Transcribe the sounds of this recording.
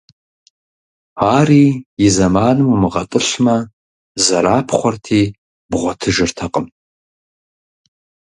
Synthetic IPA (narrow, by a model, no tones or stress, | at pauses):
aːriːjɪzɐmaːnɨmumɨʁɐtʼɨɬmɐ | zɐɾaːpʰχʷɔrtʰiː | bʁʷɔtʰɨʒɨrtʰɐqʼəm